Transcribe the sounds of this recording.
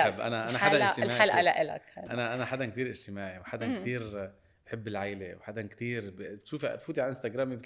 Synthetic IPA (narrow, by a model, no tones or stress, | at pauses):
abʔæ̰næʔænæħad̪ænt̪lmːʕalʔalaʔɪla̰kʔænæʔænæħad̪ænk̚t̪iːɾʔɪd͡ʒt̪ɪmaːʕiwħad̪ankt̪iːɾ | ħɪbːɪlʕajlewħad̪ænkt̪iːɾbt̪ʃuːfḭt̪fuːt̪iʕalʔɪnst̪aɡɾˤaːmib